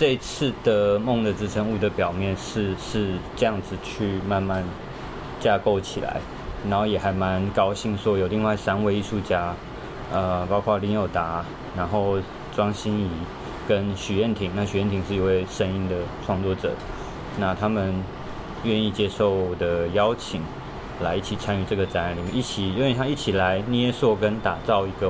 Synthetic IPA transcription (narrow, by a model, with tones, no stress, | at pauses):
ʈ͡ʂe˥˧i˧˥t͡s̩ʰ˥˩d̪̥ə˩mʊ˥˩ŋd̪ə˩t͡sɹ̩˥ʈ͡ʂʰə˧˥ŋu˥˩d̪ə˩pjɑ˨˩ʊmjɛ˥˧nʂɻ̩˥˧ʂɻ̩˥˧ʈ͡ʂə˥˧jɑ˥˩ŋd͡zɹ̩˨˩t͡ɕʰy˥˧ma˥˧nma˥˧n | t͡ɕja˥˧ko˥˩ʊt͡ɕʰḭ˨˩la̰˧˦ɪ | na˨˧˥nxo˥˩ʊjɛ˨˩xa˧˥ɪma˧˦nkɑ˥ʊɕi˥˩ŋʂwɔ˥jo˨˩ʊli˥˧ŋwa˥˩ɪsa˥nwe˥˧ɪi˥˧ʂu˥˩t͡ɕja˥ | ə˧˩pɑ˥ʊkʰwa˥˩li˧˥ŋjo˨˩ʊt̪a˨˧˥ | na˧˥nxo˥˩ʊ | ʈ͡ʂwɑ˥ŋɕi˥ni˧˥ | kə˦˥nɕy˨˩jɛ˥˩nt̪ʰi˨˩ŋna˥˩ɕy˨˦jɛ˥˩nt̪ʰi˨˥ŋʂɻ̩˥˩i˧˥we˥˩ɪʂə˥ni˥nd̪ə˨ʈ͡ʂʰwɑ˥˧ŋt͡swɔ˥˩ʈ͡ʂɤ̰˨˩ | na˥˩t̪ʰa˥mə˨n | ɥɛ˥˧ni˥˩t͡ɕjɛ˥ʂo˥˩ʊ˨˩d̪ə˩jɑ˥ʊt͡ɕʰi˨˩˦ŋ | la˧˥ɪi˥˩t͡ɕʰi˨˩t͡sʰa˥ny˧ʈ͡ʂɤ˥˩ɡə˩t͡sa˧˥n˧˦ni˨˩mə˧˦i˥˩t͡ɕʰi˨˩o˥˧˥t̪ʰa˥i˥˩t͡ɕʰi˨˩la˧˦ɪni˧˥ɛ˥˧swɔ˥˧˩kə˦nt̪a˨˩t͡sɑ˥˩ʊi˧˥ɡə˧